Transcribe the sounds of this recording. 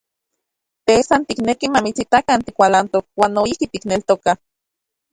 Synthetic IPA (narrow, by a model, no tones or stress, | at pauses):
t̪esant̪iknekimamit͡sit̪akant̪ikʷalant̪ok̚waːnːoihkit̪iknelt̪oka